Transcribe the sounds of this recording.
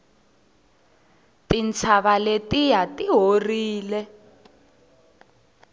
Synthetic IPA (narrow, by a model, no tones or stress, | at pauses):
tint͡sʰaβaletijatiɦoriːlɛ